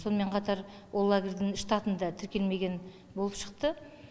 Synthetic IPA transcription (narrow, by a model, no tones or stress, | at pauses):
so̞nəme̞ɴqʰɑt̪ɑɾ | wolˠːaɡʲrd̪ɪŋʃːt̪ɑt̪ənd̪ɑt̪ʰɪɾkʲe̞lme̞ɡʲe̞n | bo̞lˠəpʃə̥qt̪ə